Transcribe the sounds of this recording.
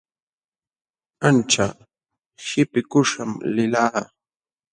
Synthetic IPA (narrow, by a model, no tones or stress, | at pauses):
ant͡ʃa | ʃɪpɪkʊʂamlɪlaː